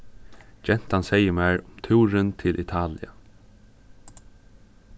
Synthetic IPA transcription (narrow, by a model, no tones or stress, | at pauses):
d͡ʒɛn̥t̪ansɛjəmæːɹʊmt̪ʰuːɾənt̪ʰɪlʔɪt̪ʰaːlɪa̰